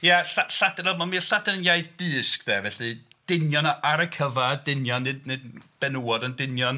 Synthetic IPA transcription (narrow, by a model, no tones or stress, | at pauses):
jaɬaɬadɛɾɔmamiːɬadɛnənjajðdɨːsk̚ðɛvɛɬɨd̥ɪnjɔnaʔaɾəkʰəvadɪnjɔnːɨdnɨdb̥ɛnuwɔdəndɪnjɔn